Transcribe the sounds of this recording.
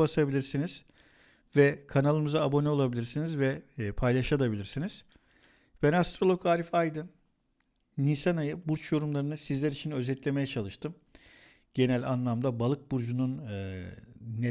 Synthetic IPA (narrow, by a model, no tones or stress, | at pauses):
asabilʲiɾsiniz̥ | vɛkʰanalˠɯmɯzaːbo̞nɛo̞lˠabilʲiɾsinizvɛpʰajlˠaʃad̪ˠabilʲiɾsiniz̥ | b̥ɛnast̪ɾolˠo̞kʰaːɾifajd̪ɯnː | isanajɯbuɾt͡ʃjo̞ɾumlˠaɾɯnɯsizlʲæɾit͡ʃʰinø̞zɛt̪lʲe̞me̞jɛt͡ʃʰalˠɯʃt̪ʰɯm | ɟ̥e̞nælʲanlˠamd̪abalˠɯk̚buɾd͡ʒunun | ne